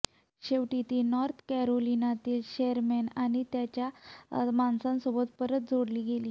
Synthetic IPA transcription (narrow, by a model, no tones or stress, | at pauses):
ɕeʋʈit̪iːnɔɾt̪ʰkɛɾolinat̪iːlɕeəɾmenaɽ̃it̪jat͡ɕjamansãnsobət̪pəɾət̪̚d͡zʱoɽliːɡʱeliː